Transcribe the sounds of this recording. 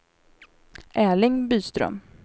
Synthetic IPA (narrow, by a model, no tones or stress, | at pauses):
ʔɛːlɪŋbyːst̪ɾœ̰m